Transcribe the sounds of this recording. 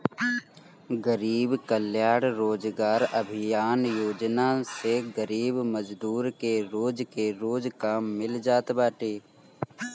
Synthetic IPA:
ɡəɾiːbkəljaːɽɾoːd͡ʒɡaːɾɐbʱɪjaːnjoːd͡ʒnaseɡəɾiːbməd͡ʒd̪uːɾkeɾoːd͡ʒkeɾoːd͡ʒkaːmːɪld͡ʒaːt̪baːʈeː

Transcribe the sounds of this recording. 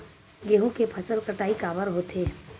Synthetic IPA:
ɡeːɦõkepʰɐsəlkəʈaːikaːʋəɾɦoːt̪ʰeː

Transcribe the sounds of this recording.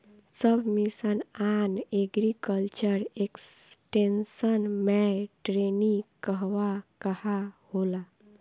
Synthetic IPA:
səbʱmisənaneɡɾikəlt͡ʃəɾeksʈensənmɛʈɾenikəɦʋakəhahola

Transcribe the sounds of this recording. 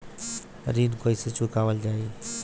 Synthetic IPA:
ɾiːnkoːiset͡ʃʊkaːʋəld͡ʑaːeː

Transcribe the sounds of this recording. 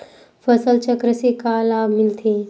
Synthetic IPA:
fɐsəlt͡ʃɐkɾɐsikaːlaːmint̪ʰi

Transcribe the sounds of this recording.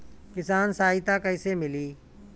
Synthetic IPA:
kɪsaːnsaːiːt̪ãːkəɪːseːmɪliː

